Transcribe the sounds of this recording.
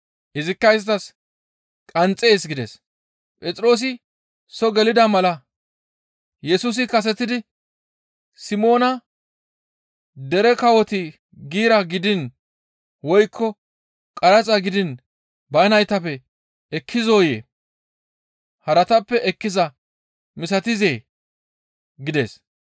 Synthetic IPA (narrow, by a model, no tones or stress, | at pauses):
ʔɪzɪkːɐjɪst̪ɐs | kʼɐnt͡sʼːeːsɡɪd̪ɛs | pʼɛt͡sʼɾo̞ːs̬ɪ | sɔɡɛlɪd̪ɐmɐlɐ | jɛsus̬ɪkɐs̬ɛt̪ːɪd̪ɪ | sɪmo̞ːnɐ | d̪ɛɾɛkɐwɔt̪ɪ | ɡiːɾɐɡɪd̪ɪn | wɔjkʰːɔ | kʼɐɾɐt͡sʼɐɡɪd̪ɪn | bɐjnɐjt̪ɐpːɛ | ɛkʰːɪzo̞ːjeː | hɐɾɐt̪ɐpːɛʔɛkːɪzɐ | mɪs̬ɐt̪ɪze̞ː | ɡɪd̪ḛːs